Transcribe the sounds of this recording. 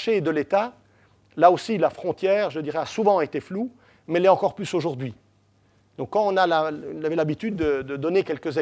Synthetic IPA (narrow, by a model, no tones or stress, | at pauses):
ʃed̪əlet̪a | laosilafχɔ̃t̪jɛːʁʒəd̪iʁɛasuvɑ̃et̪eflu | mɛlɛɑ̃kɔʁplysoʒuʁd̪ɥi | d̪̥ɔ̃kːɑ̃ɔ̃nalailavɛlabit̪yd̪ːəd̪əd̪ɔnekʲɛlkəze